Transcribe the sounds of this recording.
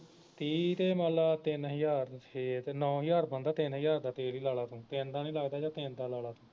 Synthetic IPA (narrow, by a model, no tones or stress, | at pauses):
t̪iːt̪eːmaːlaːt̪ɪnɦəjaːɾet̪ːnɔ̃ːɦəjaːɾpə̃nd̪aːt̪ɪnɦəjaːɾd̪aːt̪eːliːlaːlaːt̪ũːt̪end̪aːnĩːlaːɡd̪aːd͡ʒãːt̪eːnd̪aːlaːlaːt̪ũː